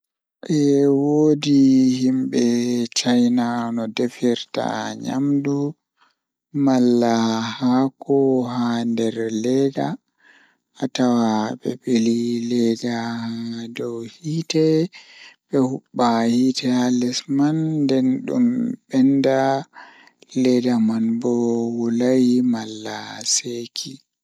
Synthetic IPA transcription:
ʔɛwoːdihimɓɛt͡ʃajnanɔdefiɾta̰ɲa̰mdu | malːahakɔhandɛɾlɛɡa | atawaɓɛɓelilɛdahadɔwhiːtɛ | ɓɛhuɓːahitɛalɛsmandɛnɗṵmɓɛnda | lɛdamanbɔwulajimalːasekʰi

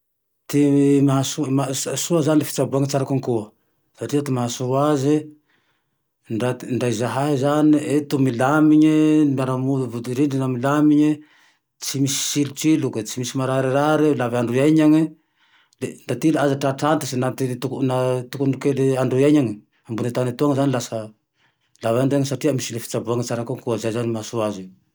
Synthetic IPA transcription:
t̪imaasumasasuazanilefi̥t͡sabuaŋit͡saɾakuŋkuə | saʈ͡ʂiat̪imaɦasuɾazi | ɳɖ͡ʐat̪ɳɖ͡ʐajzaɦaizaniet̪umilamiɲiɳdaɾamud̪vud̪iɾiɳɖ͡ʐinamilamiɲi | t͡simisi̥silut͡ʃiluket͡simisimaɾaɾeɾaɾelavaɳɖ͡ʐujajɲaŋe | lendat̪ilazaʈ͡ʂaʈ͡ʂantisinat̪it̪uknat̪ukunkeleaɳɖ͡ʐujaɲaŋe | ambunet̪anet̪uaŋezanilasa | lavaɳduaŋsatiamisilefi̥t͡ʃabuaŋet͡ʃaɾakoŋkuazajzanimasuaze

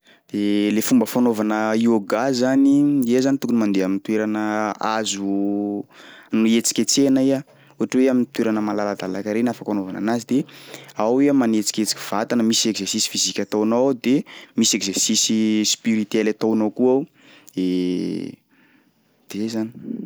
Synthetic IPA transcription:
d̪̥elefumbəfanovanəioɡazaniezanit̪ukunimand̪eamint̪weɾanəazu | nuet͡si̥kʲet͡senaia | uaʈ͡ʂəweamint̪weɾanəmalalad̪alakaɾenafakanovana̰nazid̪eaweamanet͡si̥kʲet͡si̥kʲiv̥at̪anəmisekzersisi̥fizikʲat̪awnawd̪emisekzersisispiɾit̪ɛlat̪awnawkuaw | e | d̪̥eezani̥

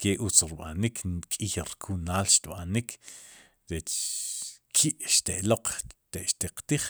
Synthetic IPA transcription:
keʔut͡sɾiɓa̰nikʰnkʼixɾkʰunaːlʃt̪ɓanikʰ | ɾet͡ʃ | kʰiʔʃt̪eʔloq͡χt̪eʔʃt̪eqt̪iχ

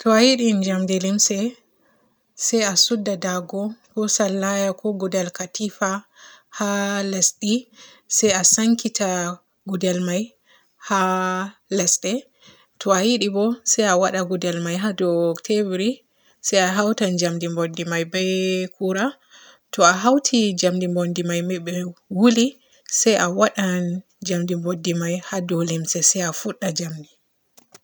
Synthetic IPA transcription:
tʰɔajiɗiɲd͡ʒamdilimsɛ | sɛjasudːadaɡɔɡɔsalːajakʰɔɡudɛlkatifahalɛsɗi | sɛjasaŋkitʰa | ɡudɛlmaj | ha | lɛsɗɛ | tʰɔajiɗibɔsɛjawaɗaɡudɛlmajɦadɔtʰebɾi | sɛjaɦawtand͡ʒamdimbodːimajbɛkuɾa | tʰɔaɦawtʰid͡ʒamdimbondimajmɛɓɛwuli | sɛjʔawaɗan | d͡ʒamdimbodːimajhadɔlimsɛsɛjafuɗːad͡ʒamdi

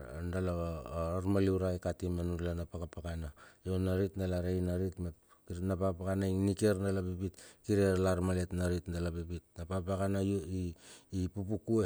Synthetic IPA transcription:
ndalaaɾmaliuɾaikatimenuɾlanapakapakanajonaɾitndalaɾeinaɾitme | napakapakanainikeɾndalabibitkiɾeɾlaɾmale̞tnaɾitndalabibit̚napapakanaiːpupukue

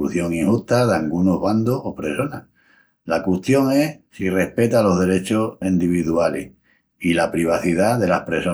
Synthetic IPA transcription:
uθjo̞ŋiŋhuht̪aðaŋɡunoɦβand̪ohopɾe̞so̞na | lakweht̪jo̞ŋe̞sire̞hpe̞t̪alo̞ɦðe̞ɾe̞t͡ʃosind̪iβ̞iðualḛh | ilapɾiβ̞aθiðaðe̞lahpɾe̞so

